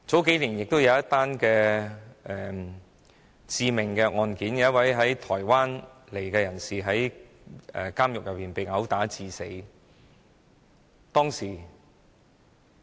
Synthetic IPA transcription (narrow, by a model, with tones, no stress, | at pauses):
t͡so˨˥wke˨˥jliː˨˩njɪ˨k̚t̪o˥wjɐ˨˧wjɐ˥t̪aː˥nkɛː˧ʔɛː˨ | t͡siː˧mɪ˨˩ŋkɛː˧ŋɔː˧nkiː˨˥njɐ˧˦˥wɐ˨˥jɦɐ˨˥jt̪ʰɔː˨˩jwaː˥n | le˨˩jkɛː˧jɐ˨˩nsiː˨ɦɐ˨˥j | ɛ̰ː˨kaː˥mjʊ˨k̚jɐ˨piː˨˩npe˨jŋɐ˨˥wt̪aː˨˥t͡siː˧se˨˥j | t̪ɔː˥ŋsiː˨˩